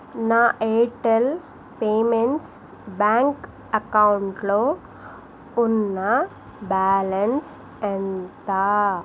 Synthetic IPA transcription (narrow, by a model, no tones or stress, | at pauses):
naːʔeːʈɐl | peːmeɳʈs | baːŋk | ɐkɐwɳʈloː | unːɐ | baːlɐns | ent̪aː